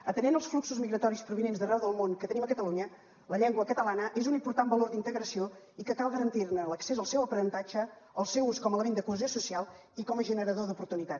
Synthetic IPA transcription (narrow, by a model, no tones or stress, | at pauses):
ət̪ənenəlˠsfluksuzmiɣɾət̪ɔɾispɾuβinenzðərɛwðəlˠmoŋkət̪əniməkət̪əluɲə | ləʎɛŋɡwəkət̪əlanəʔezunimpuɾt̪ambəloɾd̪int̪əɣɾəsio | ikəkalˠɣəɾənt̪iɾnələksezəlˠsɛwəpəɾənt̪ad͡ʒə | əlˠsɛwuskɔmələmend̪əkuəziosusialˠ | ikɔməʒənəɾəðoðupuɾt̪unit̪at̪